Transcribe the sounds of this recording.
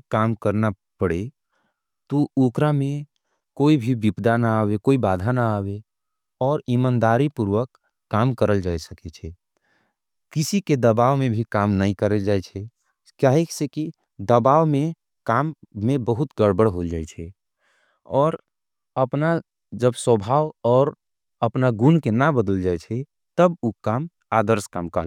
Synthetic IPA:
kaːmkəɾna | pəɽe | t̪oukɾamẽ | koːibʱibipd̪anaaːwekoːibaːd̪ʱanaaːwe | ɔːɾɪmaːnd̪aːɾipuɾwəkː | aːmkəɾəld͡ʒaːɛsəket͡ʃʰɛ | kɪsiked̪əbaːwmẽbʱikaːmnəɦĩkəɾəld͡ʒaːɛt͡ʃʰɛ | kjaɦekseki | d̪əbaʋme | kamːebəɦut̪ɡəɽbəɽɦold͡ʒaɛt͡ʃʰɛ | ɔːɾ | əpna | d͡ʒəbswəbʱawɔːɾ | əpnaɡunkenabəd̪əld͡ʒaɛt͡ʃʰɛ | t̪əbukam | ad̪əɾskamkə

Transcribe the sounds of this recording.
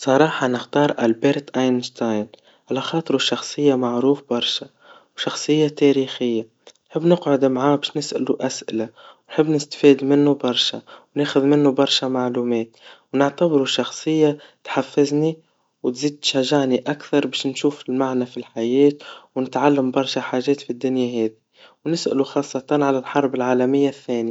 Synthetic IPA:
sˤɑɾˤɑːħɑnɪxt̪ɑːɾˤʔalbeɾt̪ʔajnʃt̪ajn | ʕalaxɑːt̪ˤɨɾuʃːɑxsˤɨjːamaʕɾuːfbɑɾˤʃa | wʃɑxsˤɨjːat̪eːɾiːxɪjːa | nħɪbːnɪqʕʊd̪mʕaːbeːʃnɪsʔa̰luʔasʔɪ̰lawnħɪbːnɪst̪fiːd̪mɪnːubɑɾˤʃawneːxʊðmɪnːubɑɾˤʃamaʕluːmeːt̪wnɪʕt̪abɾuʃɑxsˤɨjːat̪ħafːɪzni | wt̪ziːd̪̚t̪ʃaʒːaʕniʔakθɑɾˤbeːʃnʃuːfɪlmaʕnafilħajɛːt̪wnɪt̪ʕalːambɑɾˤʃaħaːʒɛːt̪fid̪ːʊnjaɦɛːd̪i | wnɪsʔɪ̰luxɑːsˤːɑt̪ɑnʕalalħɑɾˤbɪlʕaːlamɪjːaθːɛːni

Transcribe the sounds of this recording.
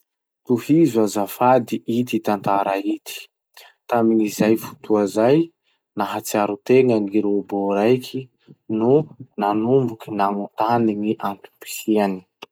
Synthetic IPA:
t̪uhizazafad̪iʔit̪it̪ant̪aɾait̪ʰi̥ | t̪aminizajfu̥t̪uazaj | naɦat͡siaɾut̪eŋaŋiɾoboɾajkʰi | nunanumbukinaŋut̪aniŋiʔant̪u̥pi̥siani̥

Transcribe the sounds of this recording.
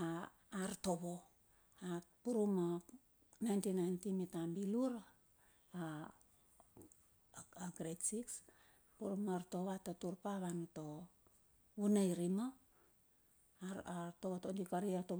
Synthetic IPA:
a | aɾto̞βo̞ | apuɾuma | najntinajntimitambiluɾa | a | aɡɾetsiks | puɾumaɾto̞βatotuɾpaβanuto̞ | βunajɾima | aɾtoβotondikaɾiato

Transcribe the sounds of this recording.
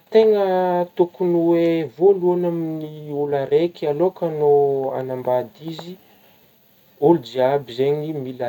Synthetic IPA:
t̪eŋət̪ukuniwevoluanaminiulaɾekalokanoa̰nambad̪izi | uld͡ʒiabizeɲimila

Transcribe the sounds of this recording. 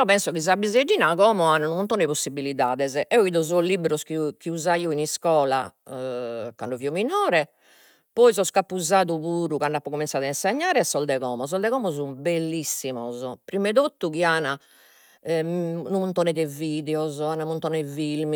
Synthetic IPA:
ɛɔpɛnsɔkiz̬abized͡ʒːiːnakɔːmɔananumunt̪ɔːnɛposːibiliðaːðɛzɛʔɛɔiːðɔzɔlibɾɔskikiuzaiːɔiniskɔːla̰ | ka̰nɳɖɔviːɔminɔːɾɛ | pɔizɔskapːuzaːðuβuːɾukaɳɖapːɔkominsaːðainseɲːaːɾɛsːɔld̪ɛɣɔːmɔs̬ɔld̪ɛɣɔːmɔzumbelːisːimɔzɔpɾimɛðot̪ːukiana | numunt̪ɔnɛðɛviːðɛɔzɔanamunt̪ɔnɛvilmi

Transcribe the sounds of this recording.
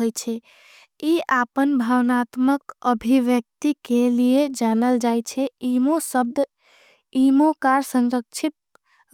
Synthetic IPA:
ojt͡ʃʰɛ | iapənbʱawnat̪məkəbʱiʋjək̚t̪ikelied͡ʒanəld͡ʒajt͡ʃʰɛimosəb̚d̪ | imokaɾsə̃ŋɾək̚t͡ʃʰit̪̚

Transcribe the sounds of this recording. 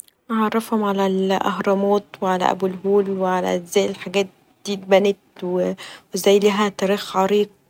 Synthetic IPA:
ʕɑrˤːɑfhomʕalælʔɑ̰ɦɾˤɑmɑːt̪weʕalæ̰ʔæ̰bulɦuːlweʕalæ̰zæːjelħaɡæːt̪̚ | d̪̥iːt̪̚bænet̪̚wewezæjːliɦæt̪æɾiːxʕɑɾiːq̚

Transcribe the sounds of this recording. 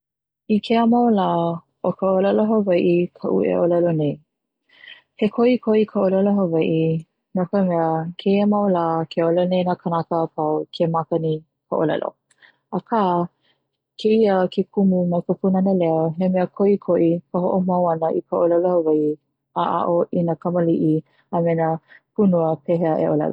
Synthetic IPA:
ikʰeəmɐwlaː | ʔokʰəolɐloɦəvɐjʔikʰəʔṵḛʔolɐlonej | hekʰoʔikʰoʔikʰəolɐloɦəvɐjʔi | nokəmɛəkʰeiəmawlaːkʰeolɛlonejnakʰənakəpʰawkʰemakɐni | kʰəʔolɐ̰lo̰ | akʰaː | kʰeiəkʰekʰumunɐpəpunɐnəlɛoɦemɛəkʰoʔikʰoʔikəɦoʔomɐwɐnəʔikʰəʔolɐlohɐvɐʔi | aʔa̰ʔoʔinakɐməliʔi | əmɛnəpʰunuəpʰɛɦeəʔḛʔolɐ̰lo̰

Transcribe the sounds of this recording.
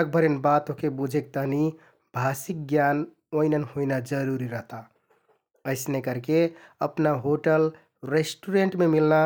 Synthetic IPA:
ək̚bʱəɾenbat̪õkebud͡ʒʱek̚t̪əɦni | bʱasik̚ɡjan | oinənhoinad͡ʒəɾuɾiɾəɦt̪a | əɪsnekəɾkeəpnaɦoʈəl | ɾesʈuɾeɳʈmemilna

